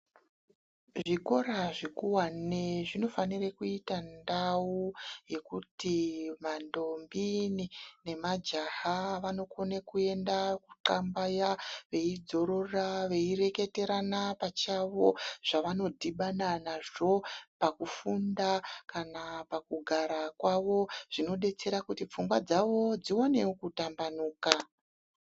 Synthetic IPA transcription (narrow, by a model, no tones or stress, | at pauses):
ʐiko̞ɾaʐikuwaneʐino̞fanirekuitandawuje̞kutimando̞mbinine̞mad͡ʒaɦaʋano̞konekue̞ndaku̥ǃambajaʋe̞id͡zo̞ɾo̞raʋe̞iɾe̞ke̞te̞ɾanapat͡ʃaʋo̞ʐ̥aʋano̞dʱiɓananaʐo̞pakufundakanapakuɡʱaɾakwaʋo̞ʐ̥ino̞ɗe̞t͡se̞ɾakutip͡fuŋɡwad͡zaʋo̞d͡ziwane̞kutambanuːka